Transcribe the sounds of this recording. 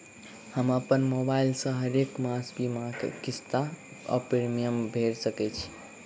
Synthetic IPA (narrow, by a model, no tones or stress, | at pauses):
həməpənmobailsə̃ɦəɾekmasbimakḛkist̪a | ɔ̰pɾeɾmijəmbʱeɾsəkɛt͡ʃʰi̥